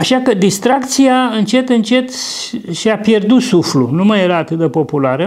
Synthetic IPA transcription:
aʃakəd̪ist̪ɾakt̪sijaɨnt͡ʃe̞t̪ɨnt͡ʃe̞t̪ | ʃiapje̞rd̪ut̪suflunumajeɾaːt̪ɨt̪̚d̪e̞po̞pulaɾə

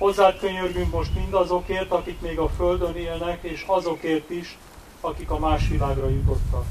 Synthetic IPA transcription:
ho̞zːaːt̪køɲørɡyŋkmo̞ʃt̪mind̪ɒzo̞keːrt̪ɒkikmeːɡɒføld̪ø̞neːlnɛkeːʃɒzo̞keːrt̪iʃ | ɒkikɒmaːʃʋilaːɡrɒjut̪o̞t̪ːɒk

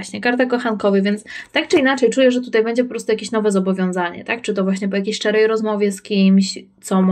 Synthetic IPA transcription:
ɕɲɛkaɾt̪ɛkɔxankɔvɘvʲjɛnt̪st̪ak̚t͡ʂɘinat͡ʂɛjt͡ʂujɛʐɛt̪̬ut̪ajbɛɲd͡ʑɛp̬ɔpɾɔst̪ujakʲeɕnɔvɛzɔbɔvʲjɔ̃w̃zaɲɛ̰t̪ak̚t͡ʂɨt̪ɔvwaɕɲɛp̬ɔjakʲejɕʂɛɾɛjɾɔzmɔvʲjɛskʲimɕt̪sɔm

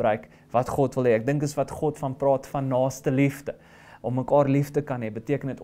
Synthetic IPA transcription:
rœɥk | vɐtχɔtvəlˠɦɛːæk̚dəŋkəsvɐtχɔtfɐnprɑːtfɐnːɑːstəlifdə | ʔɔmːəkɑːrliftəkɐnɦɛbətiəkənət

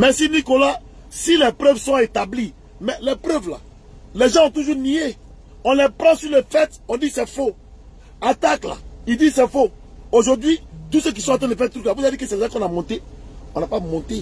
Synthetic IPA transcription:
mɛsinikola | silɛpɾøvsɔ̃et̪abli | mɛlɛpɾøvla̰ | lɛʒãɔ̃t̪uʒuʁnie | ɔ̃lɛpɾãsylɛfɛt̪ɔ̃disɛfo | at̪akla̰idizsɛfo | oʒoʁd̪ɥit̪usek̬isɔ̃ãt̪defɛ̃t̪ɾyklavuzadikesɛvuzakɔ̃namɔ̃t̪e | ɔ̃napamɔ̃t̪e

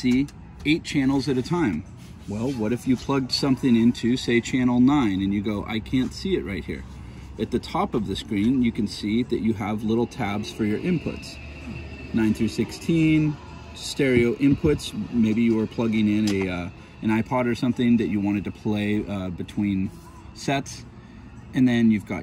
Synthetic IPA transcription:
si | eɪt̚t͡ʃʰæ̃nl̩ˠzɨɾɨtʰãɪ̃m | wɛlˠwʌɾɨfjɨpʰl̥ʌɡ̚d̥sʌ̃mθɪ̃ŋɪ̃ntʰʉseɪt͡ʃʰænl̩ˠnãɪ̃nɨ̃njɨɡoʊʔa̰ɪkʰæ̃ntsiɨʔ̚ɹaɪt̚hḭɹ | ɨt̪̚ðɨtʰɑpʌvðɨskɹĩnjɨkɨ̃n̩siðɨt͡ʃɨəvlɪɾl̩ˠtʰæbz̥fə˞jə˞ʔɪ̃mpʰʊ̰ts | nãɪ̃nθɹʉsɪkstʰĩn | stɛɹioʊʔɪ̃mpʰʊtsmeɪbijɨə˞pʰl̥ʌɡɪ̃ŋɪ̃nɨ | ɨ̃ñaɪpʰɑɾə˞sʌ̃mθɪ̃ŋðɨt͡ʃɨwɑ̃ɾ̃ɨd̚tʰɨpʰl̥eɪʌbɨtʰw̥ĩn | sɛts | ɨ̃nðɨ̃njʉvɡɑ̰

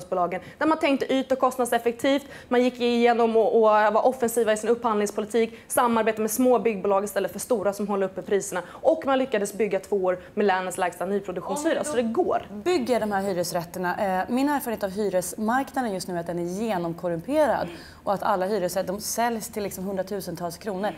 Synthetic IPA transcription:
sbʊːlɑːɡənd̪æɾmant̪ʰɛŋk̚t̪əʔyːt̪ɔkʰɔst̪ad̪sɛfɛk̚t̪ʰiːft̪ | manjɪkːɪjeːnɔmɔɔvaʔɔfːɛnsiːvaɪsɪnɵpːhanlɪŋspʰʊlɪt̪ʰiːksamːaɾbeːt̪aɾmɛsmoːbʏɡːbuːlɑːɡɪst̪ɛlːət̪fœʂt̪uːɾasɔmɦɔlːəɾɵpːɛpʰɾiːsəɳa | ʔɔkːmanlʏkːad̪əsbʏɡːat̪ʰv̥oːoːɾmɛlɛnənslɛːɡst̪anyːpʰɾʊd̪ɵkɧuːnshyːɾasɔd̪ɛɡo̰ːɾbʏɡːəɖɔmɦæːɾɦyːɾəsɾɛt̪ːəɳaʔmɪnːæːɾfœɾən̩eːt̪vɦyːɾəsmaɾknad̪ənjɵst̪nʉ̟ːat̪d̪ɛnæɾjeːnɔmkʰɔɾɵmpʰeːɾa̰d̪ | ɔat̪ʰa̰lːaɦyːɾəsɾɛd̪ɔmsɛljst̪ʰɪlːɪksɔmɦɵnd̪ɾat̪ʰʉ̟ːsənt̪ʰɑːlskʰɾuːnəɾ

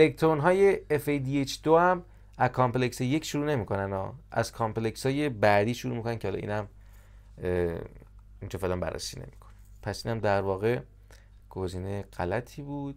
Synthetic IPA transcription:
elekt̪ʰɾonɦɒːje̞efejd̪iet͡ʃʰd̪ohæm | æzkʰɒmple̞cseje̞cʰʃuɾuːne̞miːkʰo̞nænɒ̰ːʔæ̰z̥kʰɒmple̞csɒːjebæd̪iːʃuɾuːmiko̞næncʰeɒlɒ̰ʔḭːnæm | int͡ʃʰefelæmbæ̰rːḛsiːnḛmi̥kʰo̥ne̥ | pʰæsʔiːnæmd̪æɾvɒːɣe̞ | ɡ̥oziːneɢ̥ælæt̪ʰiːbuːd̪̥

